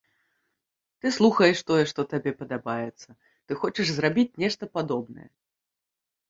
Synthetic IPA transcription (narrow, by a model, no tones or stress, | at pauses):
t̪ɨslˠuxɐjɛʂt̪ɔjɛʂt̪ɔt̪abʲɛpɐd̪abajɛt̪sːɐ | t̪ɨxɔt͡ʂɛʐzrabʲit͡sʲnʲɛʂt̪ɐpad̪ɔbnɐ̰jɛ̰